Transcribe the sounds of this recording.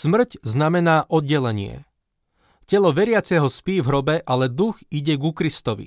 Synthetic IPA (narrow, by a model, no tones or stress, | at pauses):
smr̩cznamɛnaːʔɔd̪ɟɛlɛɲɪɛ̰ | cɛlɔʋɛɾɪat͡sɛɦɔspiːvɦɾɔbɛʔalɛd̪uxiɟɛɡukɾist̪ɔʋḭ